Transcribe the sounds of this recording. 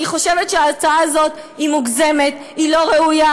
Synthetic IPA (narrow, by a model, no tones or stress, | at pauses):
iχo̞ʃevetʃeaːt͡saaazo̞t | imuɡzemet | ilo̞ʁeuja